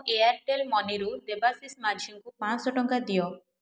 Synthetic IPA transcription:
ʔeaɾʈelmɔniɾud̪ebasismad͡ʒʱiŋkupãsɔʈɔŋkad̪ijɔ

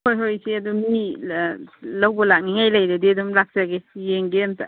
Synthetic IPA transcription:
kojɦojsiɐdumi | lawbalak̚niŋajlajdadidumlak̚saɡesijeŋɡemtʰa

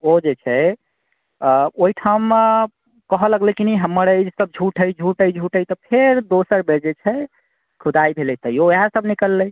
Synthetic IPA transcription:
od͡ʒet͡ʃʰɛ | oiʈʰam | kəɦələɡləkinɛɦəmːəɾəd͡ʒsəb̚d͡ʒʱuʈʰɦəjd͡ʒʱuʈəjd͡ʒʱuʈəjt̪ɔpʰeɾd̪osəɾbeɾd͡ʒet͡ʃʰɛ | kʰud̪ajbʱeləjt̪əioeɦasəbnikəlːəj

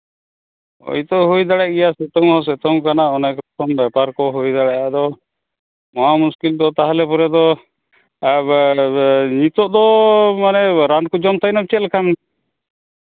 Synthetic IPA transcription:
o̰jt̪ɔɦujd̪aɽɛʔɡɛjasɛt̪ɔŋhɔs̬ɛt̪ɔŋkanaɔnakkʰɔnbjɛpaɾkɔɦujd̪aɽɛʔad̪ɔ | mɔɦamuskild̪ɔt̪aɦalɛpɔɾɛd̪ɔ | ɲit̪ɔʔd̪ɔmanɛɾankud͡ʒɔmt̪ajnab̚t͡ʃɛt̪̚lkʰan

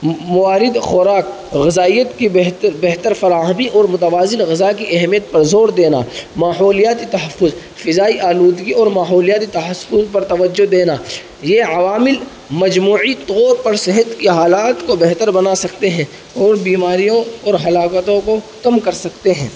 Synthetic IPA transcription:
mʊʋaːɾɪd̪xɔɾaːk | ɣɪzaːijət̪kibɦbɛɦt̪əɾfɐɾaːɦəbiʔɔːɾmʊt̪əʋaːzɪnɣɪzakiʔɐɦmijət̪̚pɐɾzoːɾd̪eːna̰maːɦɔːlijaːt̪it̪ɐɦɐfːʊz | fɪzaːiʔaːluːd̪ɡiɔːɾmaːɦɔːlijaːt̪it̪ɐɦɐfʊzpɐɾt̪ɐʋəd͡ʒːod̪eːna | jeːɐʋaːmɪl | mɐd͡ʒmuːʕit̪ɔːɾpɐɾsɪɦət̪kiɦaːlaːt̪kobɛɦt̪əɾbɐnasɐkt̪eɦɛ̃ | ɔːɾbiːmaːɾijõɔːɾɦɐlaːkət̪õko | kɐmkɐɾsɐkt̪eɦɛ̰̃ː

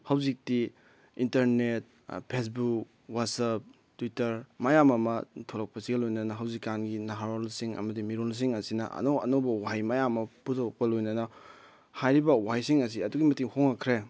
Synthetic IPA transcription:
hɐwzik̚ti | intɐɾnet̚ | pʰes̬buk | watsɐp̚ | twitɐɾmajamɐmɐtʰolɐk̚pɐsiɡɐlojnɐnɐɦɐwzikːanɡinaɦaɾolsiŋɐ̰mɐdimiɾols̬iŋɐsinɐ̰ʔɐ̰noɐ̰nowbɐwajmajamɐputʰok̚pɐlojnɐnɐ | hajɾibɐwajsiŋɐs̬iɐduɡimɐtiŋhoŋːɐkʰɾe

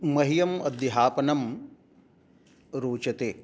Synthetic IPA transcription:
mɐɦijɐmɐd̪iɦaːpɐnɐm | ɾuːt͡ʃɐt̪eː

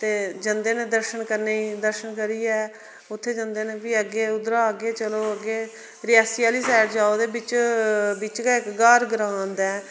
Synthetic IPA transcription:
t̪eːd͡ʒənd̪eːneːd̪əɾʃənkəɾneːiːd̪əɾʃənkəɾiːɛː | ʊt̪ʰːeːd͡ʒə̃nd̪eːneːbiːəɡeːʊd̪ɾaːəɡeːt͡ʃəloːəɡeː | ɾɪjaːsiːjaːliːsɛːʈd͡ʒaːoːd̪eːbɪt͡ʃbɪt͡ʃɡaːɪkɡaːɾɡɾãːnd̪ɛː

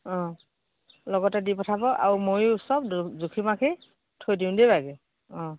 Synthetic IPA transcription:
ɔ̃ | lɔɡɔtɛdipɔtʰabɔʔa̰ɹumojsɔb̚zukʰimakʰi | tʰojdiʊ̃dibaɡɛ | ɔ̃

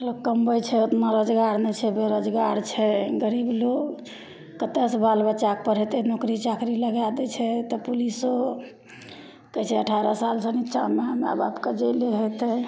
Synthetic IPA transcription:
lokkːəmbəjt͡ʃʰɛot̪maɾəd͡ʒɡaɾnɛt͡ʃʰɛbeɾəd͡ʒɡaɾt͡ʃʰɛɡəɾibloɡ | kət̪esbalbəʃak̚pəɾɦet̪ɛnokɾit͡ʃakɾiləɡad̪ɛt͡ʃʰɛt̪ɔpuliso | kɛt͡ʃʰɛəʈʰaɾəsalsəniʃʰameama̰babked͡ʒeleɦot̪ɛ

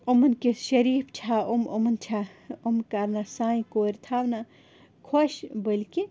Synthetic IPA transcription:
omɐnkeʃɐɾiːpt͡ʃʰaomomɐnt͡ʃʰaomkaɾnasãːĩkoːɾʲt̪ʰaːwna | kʰoʃbəlke

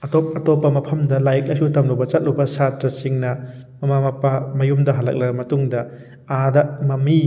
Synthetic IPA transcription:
ɐtop̚ɐtɔpːɐmɐpʰɐmdɐlajk̚ɐsutɐmlubɐt͡ʃɐt̚luwbɐsatɾɐsiŋnɐ | mɐmamɐpamɐjumdɐɦɐlɐ̰k̚lɐɡɐmɐtuŋdɐ | adɐmɐmi

